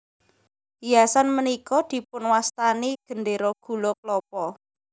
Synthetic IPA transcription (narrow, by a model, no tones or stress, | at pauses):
ijasanmənikɔd̪̥i̤pʊnwast̪aniɡ̥ə̤nɖeɾɔɡ̥ṳlɔklɔpɔ